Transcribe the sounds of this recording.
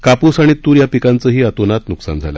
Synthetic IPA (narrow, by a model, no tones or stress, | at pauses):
kapuːsaɽ̃it̪uːɾjapikant͡səːɦiːət̪onat̪nuksa̰nd͡zʱa̰la̰